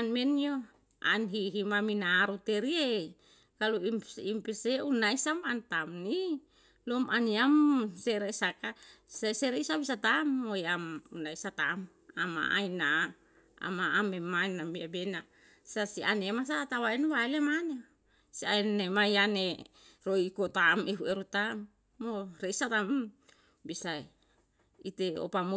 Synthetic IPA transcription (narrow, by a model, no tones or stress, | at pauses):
anmenijo | a̰nɦiɦimaminaɾut̪eɾie | kaluimimpiseunaisamant̪amni | lomʔaniamseɾeisakaseseɾeisabisat̪amojamunaisat̪am | a̰ma̰ʔa̰ina | a̰maamemainamiabena | sasiʔanemas̬at̪awainwaelemane | siainemajaneroikot̪ameɦueɾut̪amː | oreisat̪am | bisa | it̪eo̰pamo